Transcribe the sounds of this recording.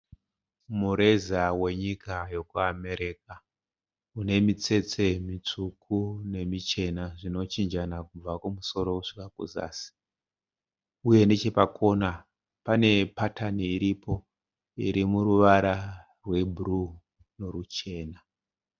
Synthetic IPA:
muɾe̞zawe̞ɲikajo̞kuame̞ɾek̚a | une̞mit͡se̞t͡se̞mit͡ʂukʰune̞mit͡ʃe̞naʐino̞t͡ʃind͡ʒanakub͡vakumuso̞ɾo̞kuʂikakṵza̰ːsi̥ | uje̞net͡ʃe̞pakʰo̞na | pane̞pataniiɾipo̞ | ḭɾimuɾuʋaɾa | rwe̞bʱuru | no̞ɾut͡ʃe̞ːna

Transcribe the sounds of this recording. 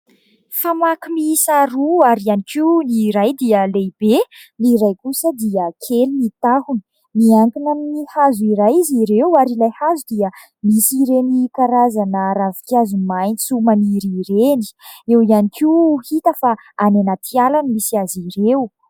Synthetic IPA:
famakimisaɾuaɾianikiwniɾajd̪iəlejb̥eniɾajkusəd̪iəkʰelinit̪ahuni̥ | miaŋkinannihazuiɾajiziɾewaɾilajhazud̪iə | misiɾenikaɾazanəɾavi̥kiazumajnisumaniɾiɾeni̥ewianikihit̪əfaanenat̪ʰialanimisiaziɾew

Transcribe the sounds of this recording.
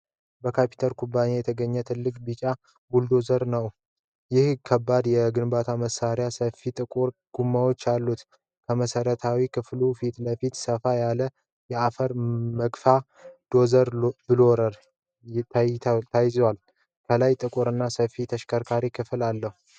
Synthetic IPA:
bəkʰapʰi̥t̪ʰəlkʰʼubːane̞jɛt̪ʰəɡəɲːət̪ʰɨlːɨkʼbit͡ʃʼa | ɡuld̪o̞zəɾnəw | jɪhkʰəbːad̪jɛɡɨnbat̪ʰaməsaɾjasəfit̪ʼɨkʼuɾɡ̥umːawo̞t͡ʃːalːut̪ | kʰəməsəɾət̪ʰawikʰɨflufit̪ləfit̪səfajalə | jɛafəɾməɡfa | d̪̥o̞zəɾbɨloɾəɾ | t̪ʰt̪ʰajzwal | kʰəlajt̪ʼɨkʼuɾɨnːasəfit̪ʰəʃkʰəɾkʰaɾikʰɨfɨlalːəhu

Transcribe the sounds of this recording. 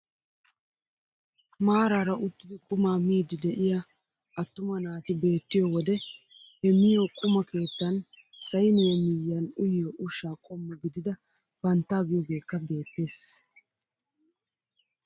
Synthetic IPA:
maːɾaːɾɐʔʊt̪ːɪd̪ɪkʼʊmaːmiːd̪ɪd̪ɛʔɪja | ʔɐt̪ːʊmɐnaːt̪ɪbe̞ːt̪ːɪjɔwɔd̪ɛ | hɛmɪjokʼʊmɐkʰe̞ːt̪ːɐn | sɐjnɪjɐmɪjːɐnʊjːoːʔʊʃaːkʼɔmːɛɡɪd̪ɪd̪ɐ | b̥ɐnt̪ːaːɡɪjɔɡe̞ːkːɐbe̞ːt̪ːe̞ːs

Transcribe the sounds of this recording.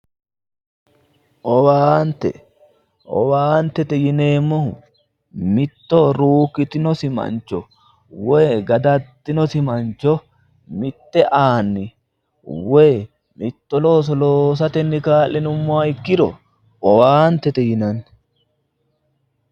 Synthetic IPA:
ʔɔwaːnt̪ːɛ̰ | ʔɔ̰waːnt̪ːɛt̪ɛjɪne̞ːmːɔhʊ̰ | mɪt̪ːɔɾuːkːɪt̪ɪnɔsɪmɐ̰nt͡ʃːɔ | weːɡɐd̪ɐt̪ːɪnɔsɪmɐnt͡ʃːɔ | mɪt̪ːɛʔaːnːɪ | weː | mɪt̪ːɔlo̞ːs̬ɔloːs̬ɐt̪ɛnːɪkaːlːɪnʊmːɔaɪkːɪd̪ɔ̰ | ʔɔwaːnt̪ːɛt̪ɛjɪnɐnː

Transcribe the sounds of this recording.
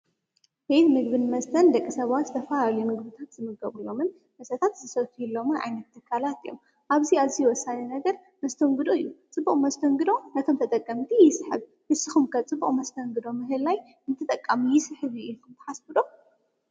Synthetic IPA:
bet̪mɨɡbɨnmɐst̪ʰɐnd̪ɐkʼːisɐβwat̪zɨt̪ʰɐfɐalalujmɨɡbɨt̪ʰat̪zɨmɨɡɐβɨlːo̞mɨn | mɐsɐt̪ʰat̪zɨsɐt̪ʰujilːo̞mɨnʔa̰jnɐt̪ʰːɨkʰːalat̪ijːo̰m | ʔaβziaβzijwɔsːaninɐɡɐɾ | mɐst̪ʰoŋɡɨd̪oɨjːut͡sʼɨbːuχʼmɐst̪ʰoŋɡɨd̪o̞nɐt̪ʰo̞mt̪ʰɐt̪ʼɐkʼːɐmt̪ʰijɪsħɨ̰β | hɨsɨxumkʰɐt͡sʼɨbːuχʼmɐst̪ʰɐŋɡɨd̪o̞mɨɦɨlːaj | ɨnt̪ʰɨt̪ʼɐkʼːamijɪsɨħɨβjkʰɨmt̪ʰɨ̥ħasbɨd̪o̞

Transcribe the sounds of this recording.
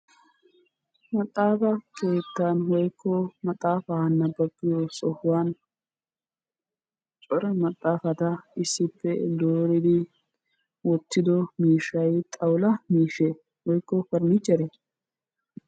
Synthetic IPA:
mɐt̪ʼːaːfɐkʰe̞ːt̪ːanwɔjkʰːɔmɐt̪ʼːaːfɐɐnːɐbɐbːɪjosɔhʊwaːn | t͡ʃʼɔɾɐmɐt̪ʼːaːfɐt̪ɐɪsːɪpːɛd̪oːɾɪd̪ɪ | wɔt̪ːɪd̪ɔmiːʃɐjt̪ʼɐwlɐmiːʃɛ | wɔjkːɔfɐɾmɪt͡ʃʼːɛɾɛ

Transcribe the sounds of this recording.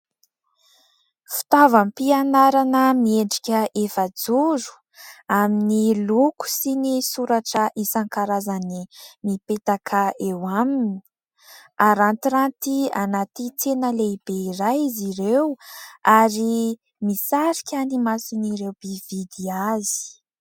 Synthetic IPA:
fi̥t̪avampianaɾanəmieɳɖ͡ʐi̥kʲəʔefəd͡zuɾu̥ | aminiluku̥sinisuɾaʈ͡ʂəʔisaŋkaɾazanimipet̪akʰaewamini̥i̥ | aɾant̪iɾant̪ianat̪it͡s̪enəleib̥eiɾajiziɾewaɾi | misaɾikʲanimasiniɾewb̥ivid̪iazi̥

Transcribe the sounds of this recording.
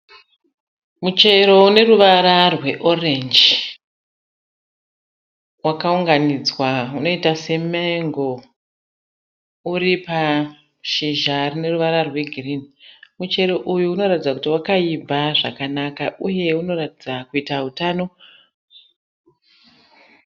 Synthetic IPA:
mut͡ʃe̞ɾo̞une̞ruʋaɾarwe̞ʔo̞rend͡ʒ | wakauŋɡanid͡zwauno̞itase̞meŋɡo̞ | uripa | ʃiʒarine̞ruʋaɾarwe̞ɡʱirinimut͡ʃe̞ɾo̞ʔujuːno̞ɾatid͡zakutiwakaibʱaʐakanakaʔuje̞uno̞ratid͡zakuitaɦutano̞

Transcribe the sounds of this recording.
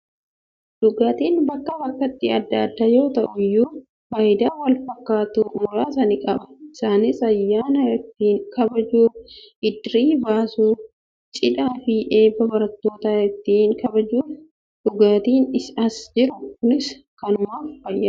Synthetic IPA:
d̪̥ʊɡaːt̪iːnbɐkːɐbɐkːɐt̪ːɪɐd̪ːɐɐd̪ːajo̞ːt̪ɐʔʊjːuː | faːjd̪aːwɐlfɐkːaːt̪uːmʊɾaːsɐnɪkʼɐbɐ̥ɪsaːnɪsɐjːaːnɐjɛt̪ːiːnkɐbɐd͡ʒuːfʔɪd̪ɾiːbaːsuː | t͡ʃʼɪᶑaːfɪʔeːbːɐbɐɾɐt̪ːo̞ːt̪ɐɛt̪ːiːŋkɐbɐd͡ʒuːf | d̪̥ʊɡaːt̪iːnɪsɐsd͡ʒɪɾʊkʊnɪs | kɐnʊmaːffɐjːɐː

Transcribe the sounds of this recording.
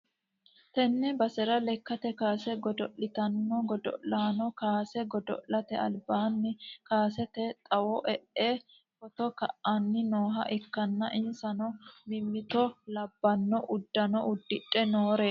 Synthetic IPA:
t̪ɛnːɛbɐsɛɾɐlɛkːɐt̪ɛkaːsɛɡɔd̪ɔʔːɪt̪ɐnːɔɡɔd̪ɔ̰ʔlaːnɔkaːsɛɡɔd̪ɔ̰ʔlːɐt̪ɛɐ̰lbaːnːɪkaːsɛt̪ɛt̪ʼɐwɔʔɛʔeː | fɔt̪ɔkɐ̰ʔanːɪnoːɦɐ̰ʔɛkːɐnːɐʔɪnsɐnɔmɪmːɪt̪ɔlɐbːɐnːɔʔʊd̪ːɐnɔʔʊd̪ːɪᶑʼːɛno̞ːɾe

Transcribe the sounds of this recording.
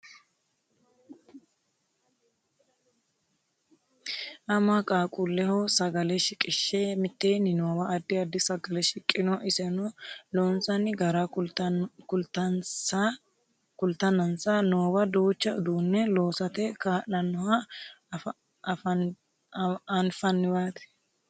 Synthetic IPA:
ʔɐmakʼaːkʼulːɛhɔsɐɡɐlɛʃɪkʼːɪʃːɛmɪt̪ːeːnɪnoːwɐːd̪ːɪɐd̪ːɪsɐɡɐlɛʃɪkʼːɪnɔʔɪsɛnɔloːnsɐnɪɡɐɾa | kʊlt̪ɐ | kʊlt̪ːɐnɐnsɐnoːwɐd̪uːt͡ʃːɐʊd̪uːnːɛloːsɐt̪ɛkaːʔɐnːɔhɐ | ɐnfɐnːɪwaːt̪ɛ̥

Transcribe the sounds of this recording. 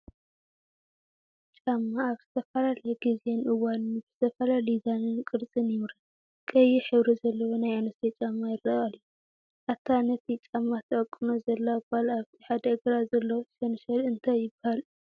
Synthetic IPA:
t͡ʃʼamːaːβz̥ɨ̥t̪ʰɐfɐlalɐɡizenʔɨwanɨnɨbz̥ɨt̪ʰɐfɐlalizanɨnkʼɨɾt͡sʼɨnjɪβɾa | kʼɐjːiħɨβɾizɐlːɐwonajanɐt̪et͡ʃʼamːajɪrːɐalju | ʔaβt̪ʰianɐt̪it͡ʃʼamːat̪ʰɐʔɐkʼːɨnozɐlːabalaβt̪ʰi̥ħad̪ɐʔɨɡɾazɐlːɐwoʃɐnʃɐlɨnt̪ʰajɪbahal

